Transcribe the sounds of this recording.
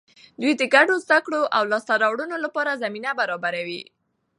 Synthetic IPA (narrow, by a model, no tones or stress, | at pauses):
d̪wujd̪əɡaɖozd̪akɽoʔawlɑst̪aɾɑwɽunolapɑɾazaminabaɾɑbaɾawi